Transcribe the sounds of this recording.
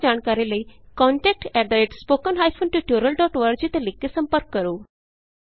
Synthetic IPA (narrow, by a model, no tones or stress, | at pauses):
d͡ʑaɳkaɾeləikɔɳʈɛk̚ʈɛɖ̪ɾeʈspokənɦajfʰonʈuʈjuɾəlɖɔʈʋəɾɡ̚d͡ʑiːt̪elekːesəmpəɾkːəɾoː